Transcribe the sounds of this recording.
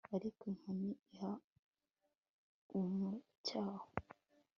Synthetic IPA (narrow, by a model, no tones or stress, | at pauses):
aɾikiŋ̥huniiha | umŋo | caːho